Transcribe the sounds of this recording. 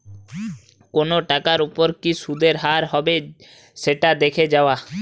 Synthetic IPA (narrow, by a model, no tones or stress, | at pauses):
konoʈakaɾupoɾkisud̪eɾɦaɾɦɔbe | ʃeʈad̪ekʰed͡ʑaoa